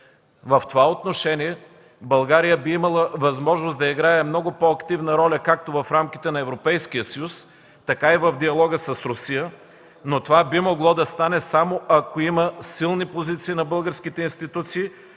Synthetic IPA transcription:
vɐft̪ovaot̪noʃɛnʲiɛ | bɐlˠɡaɾijəbiimɐlˠəvɐzmɔʒnosd̪ɐiɡɾaɛmnɔɡʊpɔɐkt̪ivnəɾɔlʲəkak̚t̪ovɐfɾamkʲit̪ɛnɐɛvɾopɛjsk̟ijəsəjus | t̪ɐkaivɐvd̪iɐlˠɔɡəsɐsɾʊsijə | not̪ovabimoɡlˠɔd̪ɐst̪anɛsamoʔɐkoiməsilˠnipozit̪siːnɐbɤlˠɡəɾskit̪ɛinst̪it̪ut̪siː

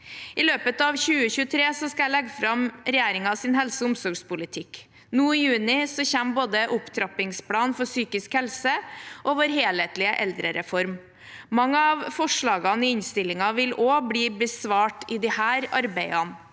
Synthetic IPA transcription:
ɪløːpət̪ɑʋçʉːəçʉːət̪ʰɾeːsɔskɑæɪlɛɡfɾɑmɾɛjæːɾɪŋɑsɪnɦɛlsəʊmsɔɾɡspʊlɪt̪ʰɪk | nuːɪjʉːnɪsɔçæmboːd̪əʔʊpt̪ʰɾɑpɪŋspʰlɑːnfɔsyːkɪskhɛlsəʔɔʋoːɾɦeːleːt̪lɪəʔɛld̪ɾəɾɛfɔɾm | mɑŋːəɑʋfɔʂɭɑːɡɑnɪɪɲst̪ɪlːɪŋɑʋɪloːbɽiːbəsʋɑːʈɪd̪ɪhæːɾɑ̰ɾbæɪɑn

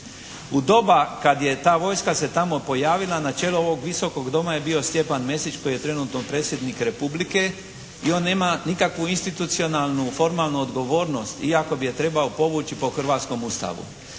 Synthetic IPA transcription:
ud̪o̞bakad̪je̞t̪aːʋo̞jskase̞t̪amo̞po̞jaːʋilˠanat͡ʃe̞ːluo̞ʋo̞ɡʋiso̞ko̞ɡd̪o̞majebio̞st̪je̞panmje̞set͡ʃko̞jije̞t̪ɾe̞nut̪nopɾe̞ːt̪sje̞d̪nikɾe̞publike̞ | io̞nːe̞ːmanikakʋuinst̪it̪ut̪sio̞nalˠnufo̞ɾmaːlˠnuod̪ɡo̞ʋo̞ːɾno̞st̪iako̞bije̞t̪ɾe̞baopo̞ʋuːt͡ʃipo̞xr̩ʋaːt̪sko̞must̪a̰ʋṵ

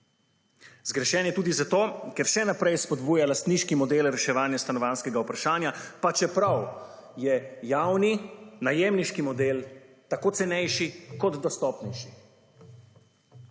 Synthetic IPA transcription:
zɡɾɛʃɛːnjɛt̪uːd̪izat̪oːkɛɾʃɛnapɾɛjspɔd̪buːjalast̪niːʃkimɔd̪eːlɾɛʃɛʋaːnjast̪anɔʋaːnskɛɡaupɾaʃaːnjapat͡ʃɛpɾaw | jɛjawninajeːmniʃkimɔd̪eːl | t̪akoːtsɛnɛjʃikɔd̪d̪ɔst̪ɔːpnɛjʃi

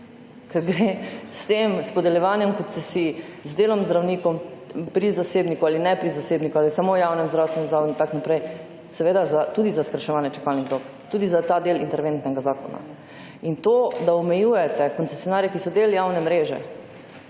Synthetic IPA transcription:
kɛɾɡɾest̪emspɔd̪ɛljɛʋaːnjɛmkɔt̪sɛsizd̪eːlɔmzd̪ɾawnikɔmpɾizaseːbnikualinɛpɾizaseːbnikualisamojawnɛmzd̪ɾawst̪ʋɛnɛmzaʋod̪ut̪aknapɾɛj | sɛʋeːd̪azat̪uːd̪izaskɾaʃɛʋaːnjɛt͡ʃɛ̥kalniɣd̪ok | t̪uːd̪izat̪ad̪elḭnt̪ɛɾʋent̪nɛɡazaːkɔ̰na̰ | int̪od̪aɔmɛjuːjɛt̪ɛkɔnsesjɔnaːɾjɛkisɔd̪eːljawnɛmɾeːʒɛ̰

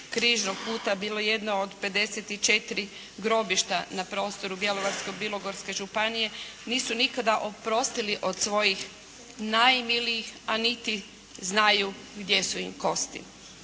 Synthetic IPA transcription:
kɾiːʒnoɡ̚puːt̪abiːlo̞je̞d̪nood̪pe̞d̪e̞set̪it͡ʃe̞t̪iɾi | ɡɾo̞biʃt̪anapɾo̞ːst̪o̞ɾubje̞loʋaɾskobilo̞ɡo̞ɾske̞ʒupanije̞niːsunikad̪aʔopɾo̞st̪iliʔo̞d̪sʋo̞jix | najmiliixanit̪i | znaju | ɡd̪je̞suimko̞st̪ḭ

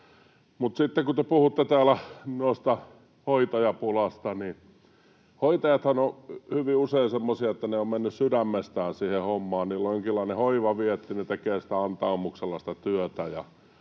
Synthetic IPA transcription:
mut̪sit̪ːekut̪epuhut̪ːet̪æːlænuost̪ɑ | hoit̪ɑjɑpulɑst̪ɑni | hoit̪ɑjɑt̪hɑnohyʋiuseisemːosiɑet̪ːæneommenːyssydæmːest̪æːnsiːhehomːɑːnniːlːojoŋkilːɑˑinehoiʋɑʋiɛt̪ːinet̪ekeːsi̥t̪æɑnt̪ɑːmukselːɑsĭ̥t̪æt̪yøt̪æjɑ

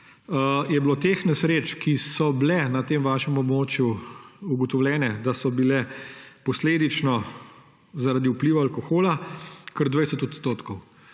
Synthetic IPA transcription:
jɛblot̪exnɛsɾeːt͡ʃkisɔblɛnat̪eːmʋaːʃɛmɔbmoːt͡ʃjuuɡɔt̪ɔwljɛːnɛd̪asɔbilɛpɔsleːd̪it͡ʃnɔ | zaɾad̪iupliːʋaalkɔxoːlakəɾd̪ʋajsɛt̪ɔt̪st̪oːt̪kɔw

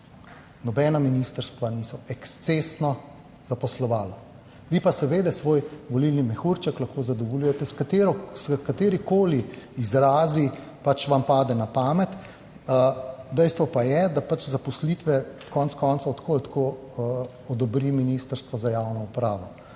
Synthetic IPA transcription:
nɔbɛːnaminist̪əɾst̪ʋaniːsɔɛkst̪sesnɔ | z̥apɔslɔʋaːlɔ | ʋipasɛʋeːd̪ɛsʋoːjʋɔlilnimɛxuɾt͡ʃaklaxkoːzad̪ɔʋɔljujɛt̪ɛskat̪eɾɔskat̪eːɾikoːliizɾaːzi | pat͡ʃʋampaːd̪ɛnapaːmɛt̪ | əd̪ɛjst̪ʋɔpajɛd̪apat͡ʃzapɔslit̪ʋɛkɔnskɔnsaɔt̪kʰoːlt̪kʰoː | ɔd̪ɔbɾiminist̪əɾst̪ʋɔzajawnɔupɾaːʋɔ

